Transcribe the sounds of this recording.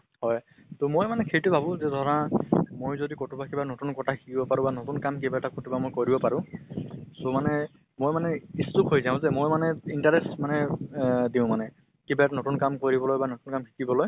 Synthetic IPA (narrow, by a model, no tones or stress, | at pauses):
ɦɔj | tomojmanɛkʰejtʊbʱabʊ̃zɛdʱɔɹamojzodikotubakibanotunkɔtʰakʰi̥kibɔpaɹʊ̃banotunkamkebaɛtakɔtubamojkoɹibɔpaɹʊ̃ | somanɛ | mojmanɛistupɦojzaʊ̃zɛmojmanɛintaɹesmanɛdiʊ̃manɛ | kebatanotunkamkoɹibɔlojbanotunkamxʰi̥kibɔloj